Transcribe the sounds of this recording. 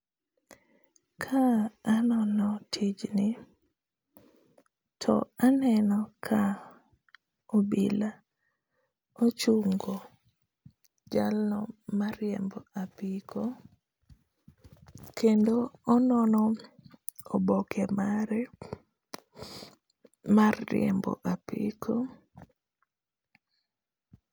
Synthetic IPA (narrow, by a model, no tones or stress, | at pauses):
kʰaːnɔnɔtʰid͡ʒnɪ | tʰɔ̰anɛnɔkʰa | obḭla | ot͡ʃuŋɡo | d͡ʒalnɔmaɾjɛmbɔapikʰo | kendoɔnɔnɔ | ɔbɔkʰɛmaɾɛ | marːɪ̰ɛ̰mbɔ̰ʔapḭkʰo